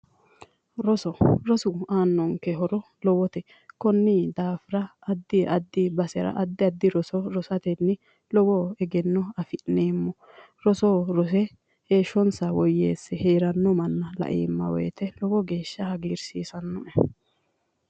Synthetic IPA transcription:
ɾɔsɔɾɔsʊaːnːɔŋkɛɦɔɾɔ | lɔwɔt̪ɛ | kɔnːid̪aːfɪɾɐːd̪ːɪɐd̪ːɪbɐsɛɾɐ̰ʔɐd̪ːɪɐd̪ːɪɾɔsɔɾɔsɐt̪ɛnːɪ | lɔwɔɛɡɛnːɔɐfɪneːmːɔ | ɾɔsoːɾɔsɛ | heːʃːɔnsɐwɔjːeːsːɛheːɾɐnːɔmɐnːɐlɐ̰ʔḭːmːɐ̰wɛ̰jt̪ɛlɔwɔɡeːʃːɐhɐɡiːɾsiːsɐnːɔʔɛ

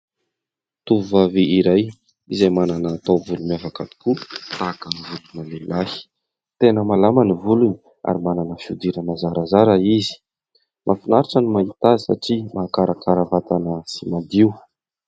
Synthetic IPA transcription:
t̪uvuvaveiɾaj | izajmananaːt̪awvulumiafakad̪i̥kut̪akanivulunəlelahi̥ | t̪enəmalamanivuluni̥ | a̰ɾimananəfiud̪iɾəmazaɾazaɾaizi̥ | mʔafinaɾiʈ͡ʂənimaɦit̪azisa̰ʈ͡ʂimaːkaɾakaɾavat̪anəsimad̪iu

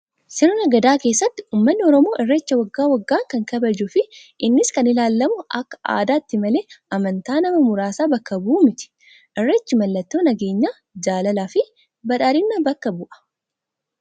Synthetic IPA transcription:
sɛɾɔnɐɡɐd̪aːke̞ːsːɐt̪ːɪ̥uːmːɐnːɪɔɾɔmo̞ːʔɛrːet͡ʃːɐwɐɡːaːwɐɡːaːŋkɐŋkɐbɐd͡ʒʊfɪʔɪnːɪskɐnɪlaːlːɐmʊʔɐkːɐ̥a̰ːd̪aːt̪ːɪmɐle̞ːʔɐmɐnt̪aːnɐmɐmʊɾaːsaːbɐkːɐbuːmɪt̪ɪ̥ | ʔɛrːet͡ʃːɪmɐlːɐt̪ːoːnɐɡe̞ːɲːaː | d͡ʒaːlɐlaːfɪ | bɐᶑaːɾɪnːɐbɐkːɐbʊʔɐ̥

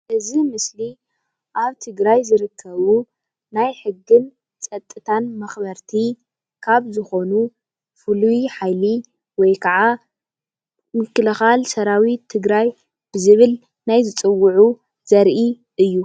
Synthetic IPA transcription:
ʔɨzimɨsli | ʔaβt̪ʰɨɡɾajzɨɾɨkʰːɐβu | najħɨɡːɨn | t͡sʼɐt̪ʼːɨt̪ʰanmɐxbɐɾt̪ʰi | kʰaβzɨxo̞nu | fɨlujiħajli | wɔjkʰɐʕa | mɨkʰːɨlɐxalsɐɾawit̪ʰːɨɡɾaj | b̥ɨzɨβɨl | najzɨt͡sʼɨwːʊʕu | z̥ɐɾʔi | ʔɨjːu

